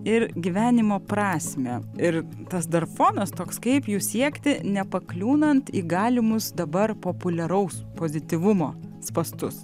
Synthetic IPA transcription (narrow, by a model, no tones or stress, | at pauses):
ɪɾɡʲiʋʲæːnʲɪmoːpɾɑːsʲmʲɛɪɾ | t̪ɐsd̪ɐrfoːnɐst̪oːkskɐɪpjuːsʲiɛkt̪ʲɪnʲɛpɐklʲuːnɐnt̪iːɡɑːlʲɪmʊsd̪ɐbɐrpoːpʊlʲɛɾɐʊspoːzʲɪt̪ʲiʋʊmoːspɐst̪ʊs